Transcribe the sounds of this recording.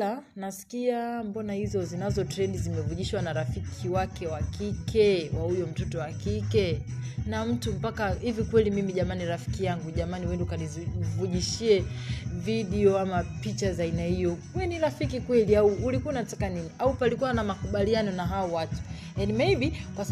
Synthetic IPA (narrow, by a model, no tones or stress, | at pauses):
anasi̥kiambɔnahizɔzinazɔtɾɛndizimɛvuʄiʃwanaɾafikʰiwakɛwakikʰɛwahujɔm̩tɔtɔwakikɛnam̩tum̩pakahivikwɛlimimiʄamaniɾafi̥kijaŋɡuʄamaniwɛndukanivuʄiʃiɛviɗiɔamapit͡ʃazainahijɔwɛniɾafikikwɛliauːlikuaunatakaniniʔaupalikuwanamakuɓalianɔnaɦaɔwatu̥ | janimɛjbikwas